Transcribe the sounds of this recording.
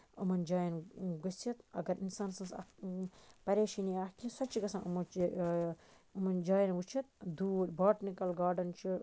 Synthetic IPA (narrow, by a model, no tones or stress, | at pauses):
ɐmɐnd͡ʒaːjɐnɡɐsɐt̪ɐ̰ɡɐɾinsaːnsɐ̃sɐ̰ | pɐɾeːʃiniahkĩsɐt͡ʃiɡɐsãʔumɐt͡ʃi | umɐnd͡ʒaːjɐnwut͡ʃʰit̪̚d̪uːɾbʱaːʈnikɐlɡaːɾɖɐnt͡ʃʰi